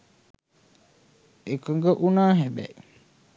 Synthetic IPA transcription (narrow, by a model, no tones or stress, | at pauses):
ekəŋɡəʔunaːɦɛbɛ̰ʔ